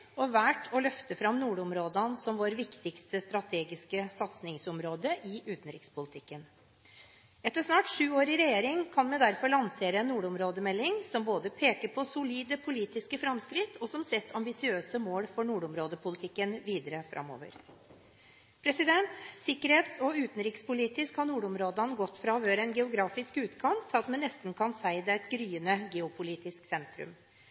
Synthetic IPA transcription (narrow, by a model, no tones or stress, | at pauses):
ɔʋæːʈʰɔlœft̪əfɾɑmnuːɖɔmɾoːd̪ənsɔmʋoːɾʋɪkt̪ɪkst̪əst̪ɾɑt̪ʰeːɡɪskəsɑt̪snɪŋsɔmɾoːd̪əʔɪʔʉːt̪n̩ɾɪ̰kspʊlɪt̪ʰɪkːən | ɛt̪ːəʂnɑːʈʂʉːoːɾɪɾɛjeːɾɪŋkʰɑnmɛd̪æɾfɔɾɭɑnseːɾəɛnːuːɖɔmɾoːd̪əmɛlːɪŋsɔmboːd̪əpʰeːkəɾpʰɔsʊliːd̪əpʰʊliːt̪ɪskəfɾɑmskɾɪt̪ʰːɔsɔmsɛt̪ːʰɑmbɪsɪøːsəmoːlfɔɳuːɖɔmɾoːd̪əpʰʊlɪt̪ʰɪkːənʋiːd̪əɾəfɾʔɑ̰mo̰ːʋə̰ɾ | pʰɾɛsɪd̪ɛnt̪sɪkːəɾheːt̪sɔʉːt̪n̩ɾiːkspʊliːt̪ɪskhɑnuːɖʊmɾoːd̪ɑnəɡɔt̪ːfɾɑʋøːɾəɛnɡɛʊɡɾɑːfɪskʉːt̪kʰɑnt̪ʰɑt̪mɛnːɛst̪n̩kʰɑnsæɪd̪əɛt̪ɡɾyːənəɡɛʊpʰʊliːt̪ɪsksɛnt̪ɾʉ̰m